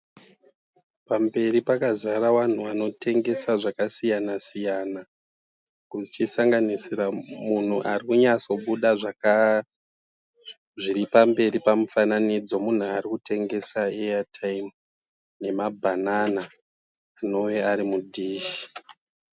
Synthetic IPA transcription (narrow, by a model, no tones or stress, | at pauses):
pambe̞ɾipakazaɾawan̤uano̞tʰe̞ŋɡe̞saʐakasijanasijana | kut͡ʃisaŋɡanisiɾamun̤uʔarikuɲat͡so̞ɓuɗaʐaka | ʐiɾipambe̞ɾipamufananid͡zo̞mun̤uaɾikute̞ŋɡe̞saeatʰaim | ne̞mabʱananaː | no̞ʋe̞aɾimudʱiːʃi̥